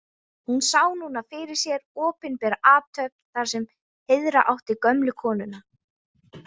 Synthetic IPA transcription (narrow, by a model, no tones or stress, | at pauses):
hunsaːwnuːnafɪɾɪɾ̥sjɛɾɔːpɪnpɛːɾaʔaːt̪ʰœp̚nθaɾ̥sɛm | hɪðɾa̰ʔawht̪ɪkœmlʏkʰɔːnʏna